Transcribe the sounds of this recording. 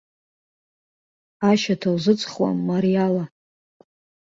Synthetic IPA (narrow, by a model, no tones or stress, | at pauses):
aʃatʰawzɨt͡sʼχwa̰mːaɾiala